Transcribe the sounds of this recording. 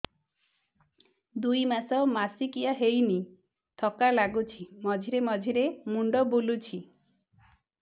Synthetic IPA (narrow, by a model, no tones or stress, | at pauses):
d̪ujmasɔmasikiaɦejni | t̪ʰɔkalaɡut͡ʃʰimɔd͡ʒʱiɾemɔd͡ʒʱiɾemuɳɖɔbulut͡ʃʰi